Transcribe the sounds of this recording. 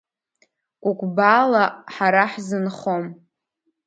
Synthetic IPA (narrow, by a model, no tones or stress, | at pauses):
kʷʼʊkʷʼbaːlaħaɾaħzɨnχo̞m